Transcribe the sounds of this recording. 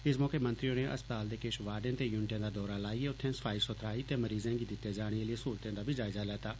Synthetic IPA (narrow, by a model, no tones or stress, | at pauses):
ɪsmɔːkemə̃nt̪ɾijõːneʔɐ̰spət̪aːld̪eːkeːʃʋaːɖẽːt̪eːjʊnʈjẽːd̪aːd̪ɔːɾalaːieʊt̪ʰːẽːsə̥fʰaːɪsot̪ʰɾaːit̪eməɾiːzẽːɡiːd̪ɪt̪ːed͡ʒaːɽ̃ieliesoːlt̪ẽːd̪aːbʱid͡ʒaːɪzalɛːt̪aː